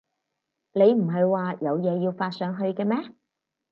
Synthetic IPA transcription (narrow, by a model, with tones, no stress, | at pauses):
ne˨˧jm̩˨˩ɦɐ˨jwaː˨jɐ˨˧wjɛː˨˧jiː˧wfaː˧t̚sœː˨˧ŋɦɵ˧ɥkɛː˧mɛː˥